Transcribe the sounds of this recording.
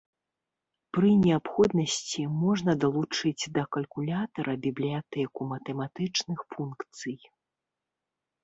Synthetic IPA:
pɾɨnʲɛapxɔd̪nɐsʲt͡sʲimɔʐnɐd̪ɐlˠut͡ʂɨd͡zʲd̪ɐkɐlʲkulʲat̪ɐɾʔɐbʲiblʲijat̪ɛkumɐt̪ɛmat̪ɨt͡ʂnɨxfunkt̪sɨj

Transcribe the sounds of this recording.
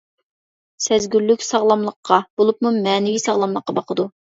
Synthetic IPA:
sɛzɡʲylːykʲsɑʁlˠɑmlˠəqʰːɑb̥olˠup̚mumɛːnɪvisɑʁlˠɑmlˠəqːɑbɑqʰəd̪u

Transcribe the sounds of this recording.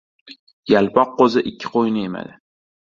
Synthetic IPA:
jalpʰɒqːozɪʔɪkʲʰːɪ̥qʰojnɪema̰d̪ɪ

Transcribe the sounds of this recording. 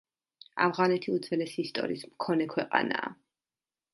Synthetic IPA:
a̰vʁanɛt̪ʰiud̪zɛlɛsiiːst̪ʼɔ̰ɾḭːsmkʰɔnɛkʰwɛqʼa̰na̰ː

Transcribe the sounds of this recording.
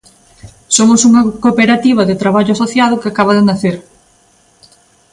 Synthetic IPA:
somʊsuŋɐkopeɾat̪iβ̞ɐðɪt̪ɾaβaʎʊasoθjað̞ʊkɪakaβ̞ɐðɪnaθeɾ

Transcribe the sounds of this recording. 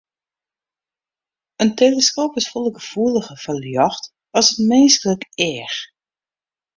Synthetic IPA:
ənteːləskoːpɪsfolˠəɡəfuələɣəfəljɔxt | ɔsətmeːskələkɛːəx

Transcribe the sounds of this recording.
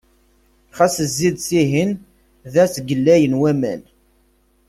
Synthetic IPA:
χæsəzːid̪siɦin | ðæsɡəlːæjənwæmæ̰n

